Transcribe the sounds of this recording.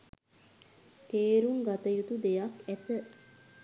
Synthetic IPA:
t̪eːɾuŋɡat̪əjut̪ud̪ejakæt̪ə

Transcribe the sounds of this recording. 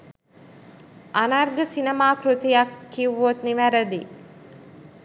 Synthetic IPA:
ʔanarɡəsinəmaːkrut̪ijakːiʋːot̪niʋæɾəd̪i

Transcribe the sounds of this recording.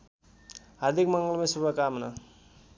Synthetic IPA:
ɦaɾd̪ʱikmʌŋɡʌlmesubʱʌkamnʌ

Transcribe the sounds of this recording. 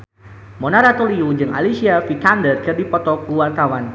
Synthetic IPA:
mɔnaɾat̪uliud͡ʒɨŋa̰lisiafit̪andərkɨrdipɔt̪ɔkuwart̪awan

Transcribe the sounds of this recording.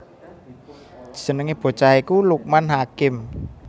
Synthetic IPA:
d̥i̥sə̤nəŋeb̥o̤t͡ʃaikuluk̚manɦakɪm

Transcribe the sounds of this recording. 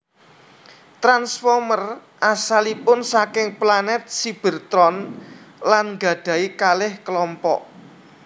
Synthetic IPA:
t̪ɾansfɔrmərʔasalipʊnsakɪŋplanɛt̪̚sib̥ə̤rt̪ɾɔnlanŋɡä̤ɖ̥ä̤ikalɪhkəlɔmpɔ̰ʔ

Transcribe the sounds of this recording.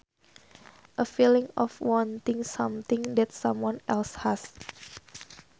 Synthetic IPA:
ʔəfilɪ̃ŋɔfwɔ̃nt̪ɪ̃ŋsãmt̪ɪ̃ŋd̪ɛt̚sãmwɔ̃nʔɛlshas

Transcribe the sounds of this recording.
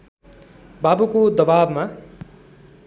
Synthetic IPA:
babukod̪ʌbabma

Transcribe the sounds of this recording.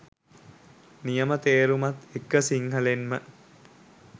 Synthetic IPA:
nijəmət̪eːɾumat̪ekːəsiŋɦəlenmə

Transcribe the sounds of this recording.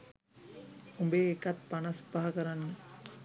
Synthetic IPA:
umbeːkɐt̪panɐspaɦakəɾanːə

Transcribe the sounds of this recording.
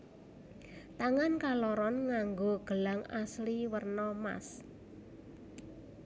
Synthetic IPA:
t̪aŋankalɔɾɔnŋaŋɡoɡ̥ə̤laŋasliwərnɔma̰s

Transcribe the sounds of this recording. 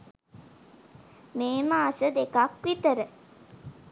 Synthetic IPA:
meːmaːsəd̪ekakʋit̪əɾə

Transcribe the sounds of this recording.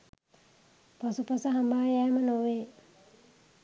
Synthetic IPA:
pasupasəɦambaːjɛːmənoʋe

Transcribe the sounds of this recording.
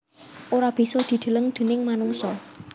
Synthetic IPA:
ʔoɾab̥i̤sɔd̪̥i̤d̪̥ə̤ləŋd̪̥e̤nɪŋmanuŋsɔ

